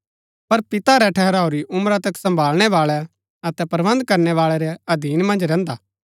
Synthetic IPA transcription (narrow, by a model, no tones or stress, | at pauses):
pɐɾpɪt̪aɾɛʈʰɛɦɛɾaːoɾiʔʊmɾat̪ɐksɐ̃mbʱaːlɽ̃ɛʋaːɭɛ | ɐt̪ɛpɾʋə̃nd̪kɐɾnɛʋaːɭɛɾɛɐd̪iːnmɐ̃nd͡ʒɾɛ̃ːnd̪aː